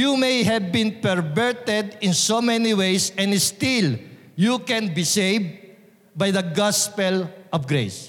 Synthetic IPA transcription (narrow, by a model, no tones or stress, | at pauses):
jumejɦɛvbɪ̃npɛɹvɛɹt̪ɛd̪ɪ̃nsomɛniwejsɛ̃nɪst̪ɪl | jukɛ̃nbisejvd̪̚ | bajd̪ɐɡaspɛlɔvɡɹḛjs